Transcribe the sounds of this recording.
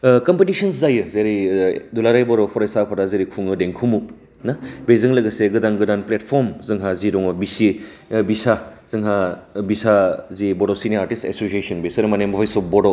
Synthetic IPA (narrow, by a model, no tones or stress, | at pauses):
kɐmpetisɐnszajɯzeɾidulaɾajbɔɾɔpʰɔɾajsapʰadazeɾikʰuŋɯdeŋkʰumu | nabezɯŋlɐɡɐseɡɯdaŋɡɯdanplet̚pʰɔɾmzɯŋɦaziɾɔŋɔbisi | bisaz̥ɯŋɦabisazibɔdɔsineaɾtistḛsosiesɐnbesɐɾɯmanembɔpʰajsɔbɔdɔ